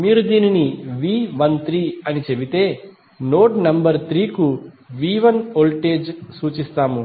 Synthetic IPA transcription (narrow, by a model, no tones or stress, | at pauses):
miːɾud̪iːniniʋiːʋɐnt̪ɾiːɐnit͡ʃebit̪e̞ː | noːʈnɐmbɐɾt̪ɾiːku | ʋiːʋɐnoːlʈeːd͡ʒsuːt͡ʃist̪aːmu